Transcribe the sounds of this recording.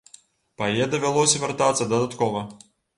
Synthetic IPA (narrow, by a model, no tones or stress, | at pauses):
pɐjɛd̪ɐvʲalˠɔsʲɐvʲart̪at̪sːɐd̪ɐd̪at̪kɔvɐ